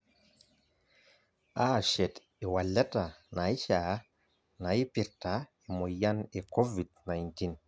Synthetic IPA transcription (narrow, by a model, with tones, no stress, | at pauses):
ʔaʃɛ˨t | ewa˨lɛ˦ta˨na˨jt͡ʃa | na˨jpi˨ɾta | e˨mo˨janeko˦vid̚najntin